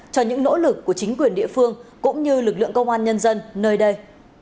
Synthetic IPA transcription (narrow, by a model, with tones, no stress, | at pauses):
t͡ɕɔ˧ɲɨ̰˧˥ŋno̰˧˥lɨ˨˩kːu˧˩t͡ɕï˨˦ŋ̟kwi˨˩ənɗḭ˧˨əfɨ˧əŋkʊ̰˧˥ŋ͡mɲɨ˧lɨ˨˩k̚lɨ̰˧˨əŋkə˧wŋ͡mʔaː˧nɲə˧nzə˧nnəː˧jɗə˧j